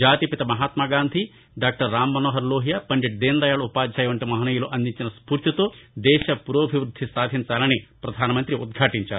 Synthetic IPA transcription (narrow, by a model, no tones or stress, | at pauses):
d͡ʒaːt̪ipit̪ɐmɐɦaːt̪maːɡaːnd̪ʱi | ɖaːk̚ʈɐɾːaːmːɐnoːɦɐɾloːɦijɐpɐɲd͡ʒɐʈ̚d̪eːnd̪ɐjaːɭupaːd̪ʱjaːjɐʋɐɳʈimɐɦɐnɐjuloʔɐnd̪iɲt͡ʃinɐspuːɾt̪jit̪oːd̪ɛːʃɐpuɾoːbʱiʋɾud̪ʱːist̪aːd̪ʱiɲt͡ʃaːlɐnipɾɐd̪ʱaːnɐmɐnt̪ɾiud̪̚ɡʱaːʈiɲt͡ʃaːɾu